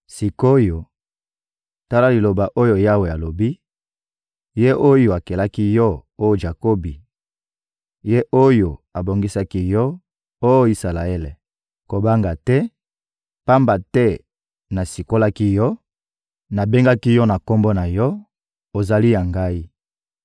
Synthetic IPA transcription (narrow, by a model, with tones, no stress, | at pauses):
si˨ko˦jo˨ | ta˦la˦li˨lo˨ba˨ʔo˦jo˨ja˦we˨a˨lo˨bi˦ | je˦ʔo˦jo˨a˨ke˨la˦ki˦jɔ˦o˦jo˨ʒa˨ko˦bi˨ | je˦ʔo˦jo˨a˨bo˨ŋɡi˦sa˦ki˦jɔ˦ | o˦jo˦i˦sa˨la˨e˦le˨ | ko˨ba˦ŋɡa˨tɛ˦ | pa˦mba˨tɛ˦ | na˨si˨ko˦la˦ki˦jɔ˦ | na˨be˦ŋɡa˦ki˦jɔ˦na˨ko˦mbɔ˦na˨jɔ˦ | o˨za˨li˦ja˨ŋɡa˦i˦